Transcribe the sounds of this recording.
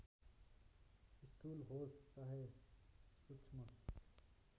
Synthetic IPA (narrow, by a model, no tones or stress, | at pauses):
st̪ʰulɦost͡saɦe | sut͡ʃʰmʌ